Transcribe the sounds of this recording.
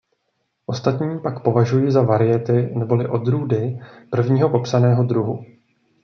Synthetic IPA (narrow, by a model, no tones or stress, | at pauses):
ʔo̞st̪at̪ɲiːpakpo̞vaʒujiːzavaɾɪjɛt̪ɪnɛbo̞lɪʔo̞d̪ɾuːdɪpr̩vɲiːɦo̞po̞psanɛːɦo̞d̪ɾuɦu